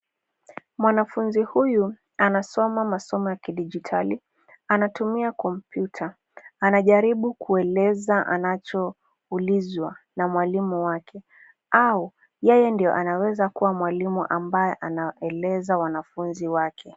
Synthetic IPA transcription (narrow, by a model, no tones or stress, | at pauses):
mwanafunzihuju | anasɔmamasɔmɔjakiɗid͡ʒitʰali | anatumiakɔm̩pjutʰaː | naʄaɾiɓukuɛlɛzaʔa̰nat͡ʃɔ | ulizwanamwalimuwakʰɛ | au | jɛjɛndijɔʔanawɛzakuwamwalimuʔambajɛʔanaɛlɛzawanafunziwakʰɛ